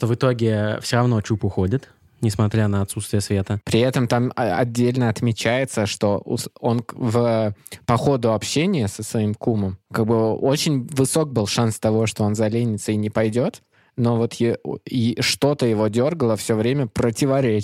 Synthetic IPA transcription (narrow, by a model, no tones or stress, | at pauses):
ʂt̪ovɨt̪o̞ɡʲɪfsʲoɾɐvno̞t͡ɕupʊxodʲɪt̪ | nʲɪsmɐt̪ɾʲanəɐt̪sut̪st̪vʲɪjəsvʲe̞t̪əpɾʲɪɛt̪əmt̪amɐ̰dʲːelʲnəɐt̪mʲɪt͡ɕæjɪt̪səʂt̪o̞ʔso̞nvəpɐxo̞d̪ʊɐpɕːenʲɪjəsəsvɐimkuməmkaɡ̚bɨo̞t͡ɕɪnʲvɨso̞k̚bɨlˠʂanst̪ɐvo̞ʂt̪o̞o̞nzɐlʲenʲɪt̪səinʲɪpɐjdʲo̞t̪ | no̞vot̪jɪiʂt̪o̞t̪əjɪvo̞dʲo̞rɡəlˠəfsʲovɾʲemʲəpɾətʲɪvɐɾʲe